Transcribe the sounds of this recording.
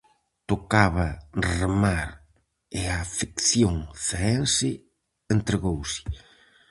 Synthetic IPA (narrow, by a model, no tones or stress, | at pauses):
t̪okaβɐremaɾ | ɪafikθjoŋθeɛnsɪ | ent̪ɾeɣowsɪ̥